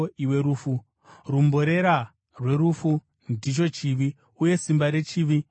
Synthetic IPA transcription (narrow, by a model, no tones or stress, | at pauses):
iwe̞ɾuːfu | rumbo̞ɾe̞ɾa | rwe̞rufu | ndit͡ʃo̞t͡ʃiʋi | uje̞simbaɾe̞t͡ʃiʋi